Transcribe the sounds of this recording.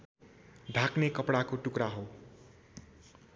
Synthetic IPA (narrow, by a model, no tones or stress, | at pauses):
ɖʱaknekʌpɽakoʈukɾaɦow